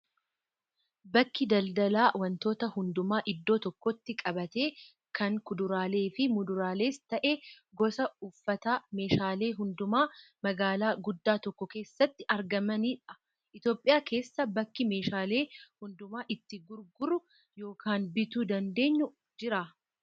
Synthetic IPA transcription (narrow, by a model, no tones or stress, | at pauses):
bɐkːɪd̪ɐld̪ɐlaːwɐnt̪o̞ːt̪ɐhʊnd̪ʊmaːʔɪd̪ːo̞ːt̪ɔkːɔt̪ːɪkʼɐbɐt̪e̞ː | kʰɐŋkʊd̪ʊɾaːle̞ːfɪmʊd̪ʊɾaːle̞ːst̪ɐʔe | ɡɔsɐʊfːɐt̪aːme̞ːʃaːle̞ːɦʊnd̪ʊmaː | mɐɡaːlaːɡʊd̪ːaːt̪ɔkːɔke̞ːsːɐt̪ːɪɐɾɡɐmɐniːᶑɐ̥ | ʔɪt̪jo̞ːpʼːɪjaːkʰe̞ːsːɐbɐkːɪme̞ːʃaːle̞ːhʊnd̪ʊmaːʔɪt̪ːɪɡʊɾɡʊɾʊ | jo̞ːkʰaːnbɪt̪uːd̪ɐnd̪e̞ːɲːʊ | d͡ʒɪɾa